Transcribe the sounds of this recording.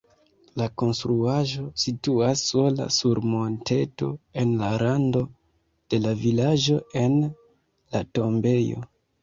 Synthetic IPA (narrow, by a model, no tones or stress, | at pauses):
lako̞nstɾuaʒo̞situasːo̞la̰suɾmo̞nte̞to̞e̞nlaɾando̞ | d̥e̞lavilaʒo̞e̞n | lato̞mbe̞jo̞̰